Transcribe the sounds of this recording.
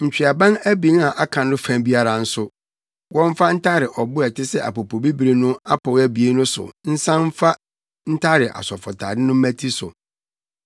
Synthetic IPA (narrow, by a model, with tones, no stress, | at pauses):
ɲ̩˨t͡ɕᶣi˨a˨bã˦næ˦bi˨n˦a˨ʔa˦kʰã˨ndʊ˦fæ̃˦˨mbi˦a˦ɾa˨n̩˦sʊ˦ | wɔ̃˦m˦fa˦n̩˦tʰa˦ɾɪ˨ʔɔ˨bʊ˦ɛ˨tʰɪ˦sɛ˦ʔa̰˨po˨pʰo˨bi˦bi˨ɾe˨nʊ̃˦a˦pʰɔ˨wæ˦bi˨e˦nʊ̃˦sʊ̰˨n̩˦sã˦m˦fa˦ | n̩˦tʰa˦ɾɪ˨ʔa̰˨sɔ˨fɔ˨tʰa̰ː˨dɪ˦nʊ̃˦m̩˦mæ̃˦tʰi˦sʊ̰˨